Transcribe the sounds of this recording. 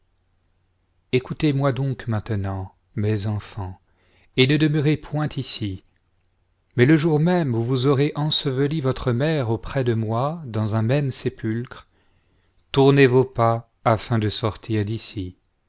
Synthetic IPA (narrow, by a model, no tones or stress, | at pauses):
ekut̪emwad̪ɔ̃kmɛ̃t̪ənɑ̃ | mɛzɑ̃fɑ̃ | enəd̪əməʁepwɛ̃t̪isi | mɛləʒuʁmɛmvuvuzɔʁeʔɑ̃səvəlivɔt̪χəmɛʁopχɛd̪əmwad̪ɑ̃zɛ̃mɛmsepylkχ | t̪uʁnevopa | afɛ̃d̪əsɔʁt̪ʰiʁd̪isi